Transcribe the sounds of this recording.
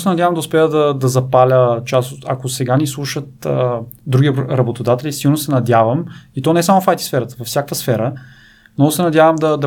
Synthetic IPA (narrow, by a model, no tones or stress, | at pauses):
sɛnɐd̪ʲavəmd̪ɐʊspɛjəd̪ɐd̪ɐzɐpalʲət͡ʃasot̪ɐ̰kosɛɡanislˠuʃət̪əd̪ɾuɡʲiɾɐbot̪od̪at̪ɛlʲisiɡlˠnosɛnɐd̪ʲjavəmit̪ɔnɛsamofajt̪i̥sfɛɾət̪əvɐfsjakvəsfɛɾə | mnɔɡʊsɛnɐd̪ʲjavəmd̪ɐd̪ɐ